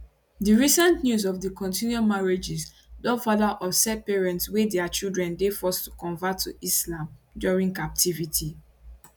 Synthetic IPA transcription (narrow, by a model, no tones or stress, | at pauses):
diɹisãntnjuzɔvdikɔ̃ntʰĩnjɔmaɹed͡ʒis | dɔfalaʔɔsɛt̚pɛɹɛ̃ntswedɛat͡ʃildɹɛ̃ndefɔstu̥kɔ̃ɱvatʰːuislãmdjɔɹĩŋkap̚tʰivitʰi